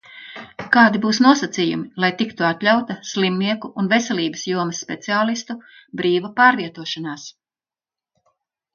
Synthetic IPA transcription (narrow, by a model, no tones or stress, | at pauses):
kaːd̪ibuːsnuɔsat̪sijumilˠajt̪ikt̪uat̪lʲawt̪ɐslimniɛkuʔːnvesʲɛlʲˠiːbɐsjuɔmɐsːpʲet̪siaːlˠist̪u | bɾiːvapaːɾviɛt̪uɔʃanaːs